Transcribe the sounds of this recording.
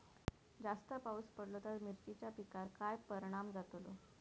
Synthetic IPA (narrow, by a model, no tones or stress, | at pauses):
d͡zast̪əpauspəɽlot̪aɾmiɾt͡ɕit͡ɕjapikaɾkajpəɾɽ̃amd͡zat̪lo